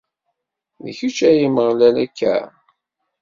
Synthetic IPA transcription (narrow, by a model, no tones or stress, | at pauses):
ðəçut͡ʃæjəməʁlælækːæ̰